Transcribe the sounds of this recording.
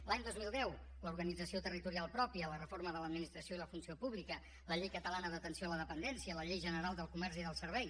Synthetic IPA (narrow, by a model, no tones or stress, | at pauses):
laɲd̪ozmilˠd̪ɛw | ləuɾɣənid͡zəsiot̪ərit̪uɾialˠpɾɔpiələrəfoɾməðələd̪minist̪ɾəsijoiləfunsiopuβlikə | ləʎejkət̪əlanəðət̪ənsioələðəpənd̪ɛnsiələʎejʒənəɾalˠd̪əlˠkumɛɾziðəlˠsəɾβɛj